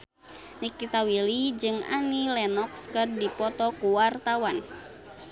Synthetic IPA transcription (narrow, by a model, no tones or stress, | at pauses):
nikit̪awilid͡ʒɨŋa̰nilɛnɔkskərdipɔt̪ɔkuwart̪awan